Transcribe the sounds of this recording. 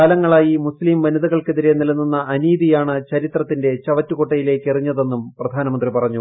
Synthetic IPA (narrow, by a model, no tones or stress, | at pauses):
alɐŋːɐɭaːjimuslimʋɐnɐðɐɣɐɭkeðiɾe̞nilɐnːunːɐʔːniːðijaːɳɨt͡ɕɐɾit̪rɐt̪ːinde̞t͡ɕɐʋɐtːukoʈːɐjile̞ːkːeriɲːɐðe̞nːumprɐd̪ʱaːnɐmɐnd̪ripɐrɐɲːu